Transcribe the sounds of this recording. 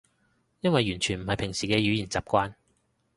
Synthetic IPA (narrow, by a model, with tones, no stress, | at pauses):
jɐ˥nwɐ˨jːyː˨˩nt͡ʃʰyː˨˩nm̩˨˩hɐ˨jpʰɪ˨˩ŋsiː˨kɛː˧jyː˨˥jiː˨˩nt͡saː˨p̚kʷaː˧n